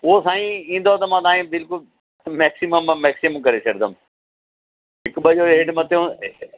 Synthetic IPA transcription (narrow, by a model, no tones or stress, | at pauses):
ʊɦosaːĩĩːn̆d̪ot̪ɐmãːt̪ãːĩːbɪlkʊl | mɛːksiməmːɛːksɪməmkɐɾet͡ʃʰɐɽd̪əm | ɦɪkbəʄoːeɽmɐt̪eũ